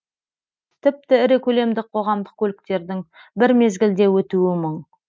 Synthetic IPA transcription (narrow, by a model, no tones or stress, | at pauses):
t̪ʰɪp̚t̪ɪɪɾekʲʰɵle̞md̪ɪqʰo̞ʁɑmd̪əq̚kʲʰɵlɪkt̪e̞ɾd̪ɪŋbɪɾme̞zɡʲɪld̪e̞wɵt̪uɪmʊɴ